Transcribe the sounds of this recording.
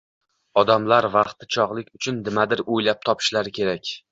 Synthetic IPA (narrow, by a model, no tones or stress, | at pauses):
ɒd̪amlaɾvɑqt̪ɪt͡ʃʰɒʁlˠɪkʲʊt͡ʃʰʊnːɪmad̪ɪɾojlap̚t̪ʰɒpʰɪ̥ʃlaɾɪkʲʰe̞ɾakʲ